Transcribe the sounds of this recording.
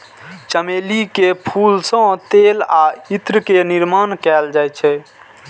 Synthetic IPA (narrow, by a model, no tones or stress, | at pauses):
t͡ʃəmelikepʰulsə̃t̪elait̪ɾəkeniɾmankɛld͡ʒajt͡ʃʰɛ